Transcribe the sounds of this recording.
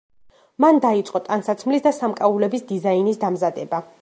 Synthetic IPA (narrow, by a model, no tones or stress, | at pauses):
mand̪ait̪sʼqʼɔt̪ʼansat̪sʰmlisd̪asamkʼaulɛbisd̪izainisd̪amzad̪ɛba